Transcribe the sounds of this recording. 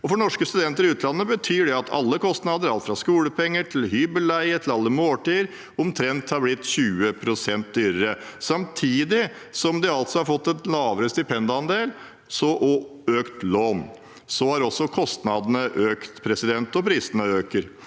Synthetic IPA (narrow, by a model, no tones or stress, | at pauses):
ɔfɔɳnɔʂkəst̪ʉd̪ɛnt̪əɾɪʉːt̪ʰlɑnːəbət̪ʰyːɖɛɑt̪ʰɑ̰lːəkʰɔst̪nɑd̪əɾɑlt̪fɾɑskuːləpʰɛŋːəʈʰɪlɦyːbəlːæɪət̪ʰɪlɑlːəmoːlʈiːɾ | ʊmt̪ʰɾɛnt̪hɑɾblɪt̪ːçʉːəpʰɾʊsɛnt̪̚d̪yːɾəɾəsɑmt̪ʰiːd̪ɪsɔmd̪ɛɑlt̪sɔhɑɾfɔt̪ːɛnlɑːʋəɾəst̪ɪpʰɛnd̪əɑnd̪eːl | sɔʔɔøːkt̪loːn | sɔhɑɾɔsːɔkʰɔst̪nɑd̪ənəʔøːkt̪pʰɾɛsɪd̪ɛnt̪ɔpʰɾiːsənəøːkəɾ